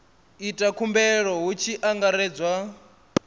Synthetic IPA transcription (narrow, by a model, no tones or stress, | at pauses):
itʼakʰumbɛɺɔɦut͡ʃʰiʔaŋɡaɾɛːd͡zwa